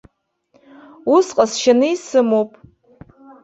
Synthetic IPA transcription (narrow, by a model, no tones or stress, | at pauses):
usqʼasʃanɨisɨmowpʼ